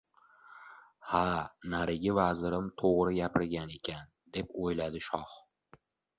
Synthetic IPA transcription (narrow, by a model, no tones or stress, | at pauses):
hanaɾɪɡʲɪvazɪɾɪmt̪ʰoʁɾɪjapʰɪɾɡʲane̞kʲʰan | d̪e̞pojlad̪ɪʃɒχ